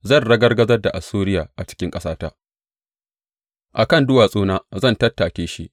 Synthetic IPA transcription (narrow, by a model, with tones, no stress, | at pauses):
zɐ˦˨nɽɐ˦ɡɐ˦rɡɐ˦zɐ˦rda˨ʔa˨suː˦ɾɪ˦jaː˨ʔa˨t͡ʃɪ̥˦kʲɪ˦ŋkʼɐ˦saː˦taː˦ | ʔa˨kɐ˦˨ndʊ˦waː˨sʼoː˦naː˦zɐ˦˨ntɐ˦tːaː˨kʲeː˦ʃi˦ʔ